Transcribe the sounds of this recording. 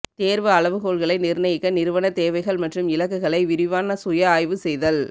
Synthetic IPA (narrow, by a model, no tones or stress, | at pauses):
t̪eːɾʋɐɐɭɐʋɯkoːlɣɐɭɐɪnɪɾnɐjɪkːɐnɪɾɯʋɐɳɐt̪eːʋɐɪɣɐɭmɐʈrɯmɪlɐkːɯɣɐɭɐɪʋɪɾɪʋaːnɐsʊjɐaːjʋɯsɛjðɐl